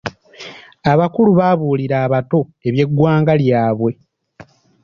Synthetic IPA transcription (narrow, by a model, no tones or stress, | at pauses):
aβakuluβaβuːliɾaːβato̞e̞βje̞ɡːwaːŋɡaljaːβwe̞